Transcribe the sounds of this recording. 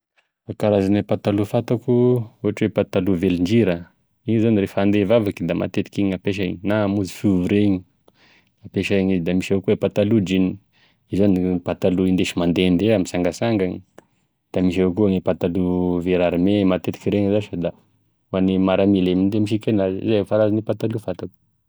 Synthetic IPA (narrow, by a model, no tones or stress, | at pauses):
akaɾazanepat̪alufat̪akuuɦaʈ͡ʂwepat̪aluveliɳd͡ʒiɾə | iɲizanirefand̪evavakid̪ama̰t̪et̪i̥kiɲapeʃ̬aiɲinamuzi̥fuvuɾeɲi | apeʃaiɲizid̪amiʃaakuepat̪alud͡ʒini | izanipat̪aluind̪eʃimand̪end̪eamisaŋɡasaŋɡaŋi | d̪̥amiʃ̬aakuaŋepat̪aluveɾaɾimemat̪et̪i̥kʲiɾeɲzaʃad̪a | wanimaɾamilemind̪emiʃ̬ikenazzaefaɾazanipat̪alufat̪aku̥